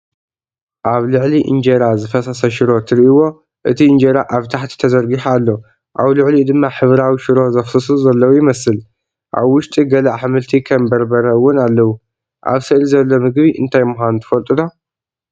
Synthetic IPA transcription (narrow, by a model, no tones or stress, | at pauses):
ʔaβlɨʕliʔɨ̰nd͡ʒeɾazɨfɐsɐsɐʃɪɾo̞t̪ʰɨɾiʔiwo̞ | ʔɨt̪ʰiɨnd͡ʒeɾaʔaβt̪ʰaħt̪ʰi̥t̪ʰɐzɐɾɡiħalːo | ʔaβlɨʕlid̪ɨmːaħɨβɾawiʃɪɾo̞zɐxsɨsuzɐlːɐwujɪmɐsɨl | ʔa̰βwʊʃt̪ʼiɡɐlaʔħɨmɨlt̪ʰikʰɐmbɐɾbɐɾɐwʊnalːɐwu | ʔa̰βsɨʔlizɐlːo̞mɨɡβiʔɨnt̪ʰajmʊxant̪ʰɨ̥fɐlt̪ʼɨd̪ʰo